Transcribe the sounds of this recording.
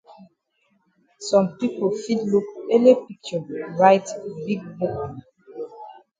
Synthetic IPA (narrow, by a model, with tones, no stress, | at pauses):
sɔ̃˨mpi˦po˨fi˦dlu˦ke˦le˦pik̚t͡ʃɔ˨ɹaɪtbi˦ɡ̚bk